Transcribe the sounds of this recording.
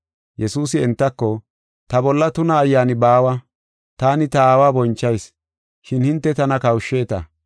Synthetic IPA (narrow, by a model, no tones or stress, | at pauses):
jɛsuːsɪɛnt̪ːɐkːɔ | t̪ɐbɔlːɐt̪ʊnɐːjːaːnɪbaːwɐ | t̪aːnɪt̪ɐaːwaːbɔnt͡ʃːɐjs | ʃɪnhɪnt̪ːɛt̪ɐnɐkɐwʃːeːt̪ɐ̰